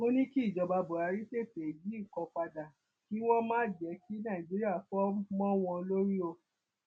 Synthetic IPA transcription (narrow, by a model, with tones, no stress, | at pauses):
o˦nĩ˦ki˦˨d͡ʒɔ˧ba˧bo˨ɾa˨˧ɾi˦se˦˨te˨d͡ʒi˨˦i˦˨kɔ˧k͡pa˧da˨ | ki˦w̃ɔ̃˦mãː˦˨d͡ʒɛ˨˧˦ki˦nã˦˨d͡ʒi˦ɾi˦a˦˨fɔ˦mɔ̃˦w̃ɔ̃˧o˧lo˦ɾi˦o˧